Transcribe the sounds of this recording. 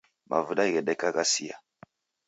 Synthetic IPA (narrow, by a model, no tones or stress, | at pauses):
ma̰vuɗaɣeɗɛkaɣasija̰